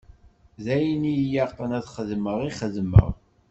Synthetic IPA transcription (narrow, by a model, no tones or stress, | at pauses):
ðæjnijaʁqənæðχəðməʁiχəðmə̰ʁ